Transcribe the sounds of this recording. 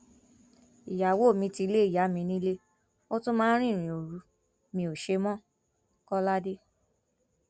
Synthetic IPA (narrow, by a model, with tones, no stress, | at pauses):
i˨ja˨wo˦˨mĩ˧ti˧le˦i˦˨ja˨˦mĩ˧nĩ˦le˦ | o˦tũ˦mãː˦ɾ̃ĩ˦˨ɾ̃ĩ˨o˨ɾu˨˧˦ | mĩ˧˦o˨ʃe˧mɔ̃˦ | kɔ˦la˦de˦